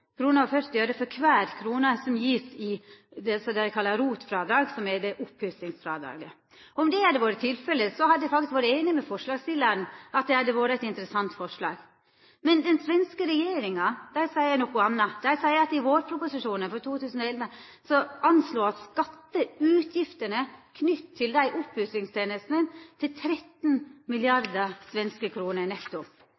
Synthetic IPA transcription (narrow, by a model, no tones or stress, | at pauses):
kʰɾuːnəɾɔfœɾt̪ɪøːɾəfɔɾkʰʋæːɾkʰɾuːnəsɔmjiːsɪd̪ɛsɔd̪ɛæɪkʰɑlːɑɾuːt̪fɾɑːd̪ɾɑːɡsɔmɛd̪ɛʔʊphʉsɪŋsfɾɑ̰ːd̪ɾɑ̰ːɡə | ɔɔmd̪ɛæd̪ɛʋoːɾət̪ʰɪlfɛlːəsɔhɑd̪əd̪ɛfɾɑɡskʋoːɾəeːnɪmɛfɔʂlɑːɡsɪlːəɾn̩ɑt̪̚d̪ɛhɑd̪ɛʋoːɾəɛɪt̪ɪnt̪əɾəsɑnt̪fɔʂlɑ̰ːɡ | mɛnd̪ɛnsʋɛnskəɾɛjeːɾɪŋɑd̪̥æɪsæɪəænɔkːʊɑnːɑd̪æɪsæɪəɾɑt̪ɪʋoːɾpʰɾʊpʊsɪʂuːnəfɔɾt̪ʰuːt̪ʰʉːsn̩ɔɛlʋə | sɔʔɑnsloːɑt̪skɑt̪ːəʉːt̪ʰjɪft̪əɳəkʰnʏt̪t̪ʰːɪld̪æɪʔʊpːʉslɪŋst̪ʰeːnəst̪nənt̪ʰɪlt̪ʰɾɛt̪nmɪlɪɑɾd̪əsʋɛnskəkʰɾuːnəɾnɛkt̪ːʊ